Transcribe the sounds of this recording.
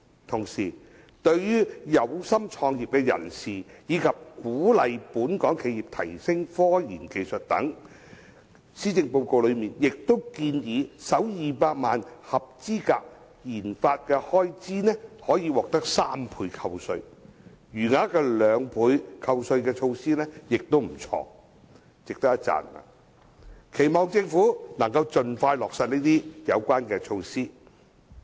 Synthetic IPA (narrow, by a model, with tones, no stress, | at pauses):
t̪ʰʊ˨˩ŋsiː˨˩ | t̪ɵ˧ɥjyː˥jɐ˨˧wsɐ˥mt͡ʃʰɔː˧ŋjiː˨p̚kɛː˧jɐ̰˨˩nsiː˨˩jiː˨˧kʰɐ˨p̚kuː˨˥lɐ˨jpuː˨˥nkɔː˨˥ŋkʰe˨˧jiː˨˩p̚t̪ʰɐ̰˨˩jsɪ˥ŋfɔː˥jḭː˨˩nke˨˧jsɵ˨t̚t̪ɐ̰˨˥ŋ | siː˥t͡sɪ˧ŋpo˧wko˧wlɵ˨˧ɥmiː˨njɪ˨k̚t̪o˥wkiː˧njiː˨˧sɐ˨˥wjiː˨paː˧k̚maː˨nhɐ˨p̚t͡siː˥kaː˧k̚ | jiː˨˩nfaː˧t̚kɛː˧hɔː˥jt͡siː˥nɛː˥hɔː˨˥jiː˨˧wɔː˨k̚t̪ɐ˥k̚saː˥mpʰuː˨˧jkʰɐ˧wsɵ˧ɥ | jyː˨˩ŋaː˨˥kɛː˧lœː˨˧ŋpʰuː˨˧jkʰɐ˧wsɵ˧ɥkɛː˧t͡ʃʰo˧wsiː˥nɛː˥jɪ˨k̚t̪o˥wm̩˨˩t͡ʃʰɔ̰ː˧ | t͡sɪ˨k̚t̪ɐ˥k̚jɐ˥t̚t͡sa̰ː˨˩na̰˧˨ | kʰe˨˩jmɔː˨˩ŋt͡sɪ˧ŋfuː˨˥nɐ˨˩ŋkɐ˧wt͡ʃɵ˨nfaː˧jlɔː˨k̚sɐ˨˧t̚niː˥t̪iː˥jɐ˨˧wkʷaː˥nkɛː˧t͡ʃʰo˧wsiː˥